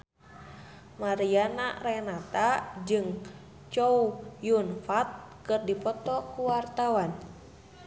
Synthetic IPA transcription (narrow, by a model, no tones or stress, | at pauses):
maɾianarenat̪ad͡ʒɨŋ | t͡ʃoujunfat̪̚ | kɨrdipɔt̪ɔkuwart̪awan